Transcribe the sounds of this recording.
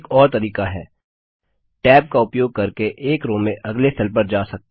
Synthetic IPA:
kɔːɾt̪ɐɾiːkaɦɛ̰ː | ʈɛːb̚kaʊpjoːɡ̚kɐɾkeʔeːkɾõːmẽʔɐɡlesʰɛlp̬ɐɾd͡ʒaːsɐk̚t̪

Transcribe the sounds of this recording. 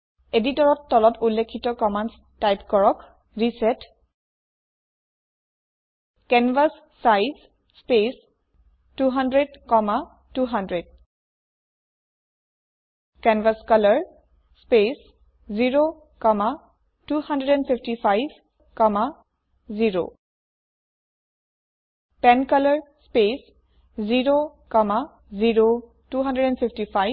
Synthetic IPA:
editɔɹɔtːɔlɔtʰulːekʰːitɔkɔmans | tajpkɔɹɔk | ɹisɛt | kɛnvasːajz | spes | tuɦandɹedkɔma | tuɦandɹed̚ | kɛnvaskʌləɹ | spes | ziɹo | kɔma | tuhʌndɹeɾɛnpʰipʰtifʰajb | kɔma | ziɹo̰ | pɛnkʌləɹspes | ziɹokɔma | ziɹo | tuɦʌ̃ndɹeɾɛnfʰipʰtifʰaj

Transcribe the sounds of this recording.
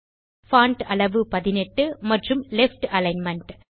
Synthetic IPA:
faːɳʈɐɭɐʋɯpɐðɪnɛʈːɯmɐʈrɯmlɛfʈɐlɐɪnmɐɳʈ

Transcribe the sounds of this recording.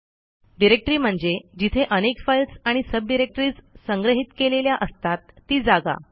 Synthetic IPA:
ɖiɾek̚ʈɾiːm̤əɳd͡zed͡ʑit̪ʰeʔənekfajlt͡saɽ̃isəb̚ɖiɾek̚ʈɾiːt͡ssəŋɡɾəɦit̪keleljaʔəst̪at̪ːiːd͡zaɡa̰

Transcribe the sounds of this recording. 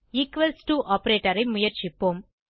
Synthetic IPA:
iːkʋɐlsʈuʔɔːpɐɾeːʈɐɾɐɪmʊjɐɾt͡ʃɪpːoːm

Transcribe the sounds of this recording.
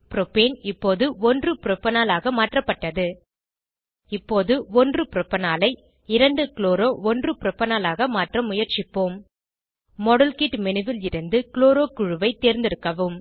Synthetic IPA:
pɪɾɔpeːnɪpːoːðɯɔndrɯpɪɾɔpːɐnaːlaːɣɐmaːʈrɐpːɐʈːɐðɯ | ɪpːoːðɯɔndrɯpɪɾɔpːɐnaːlɐɪ | ɪɾɐɳɖɯkloːɾoːɔndrɯpɪɾɔpːɐnaːlaːɣɐmaːʈrɐmːʊjɐɾt͡ʃɪpːoːmː | ɔɽɐlkiʈmɛnɯʋɪlɪɾɯnd̪ɯkɪloːɾoːkʊɻɯʋɐɪt̪eːɾnd̪ɪɾɯkːɐʋɯm

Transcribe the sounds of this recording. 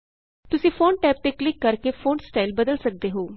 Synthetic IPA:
t̪ʊsĩːfʰoːnʈɛːp̚t̪eːklɪkːəɾkeːfʰoːnsʈaːilbəd̪əlsək̚d̪eːɦoː

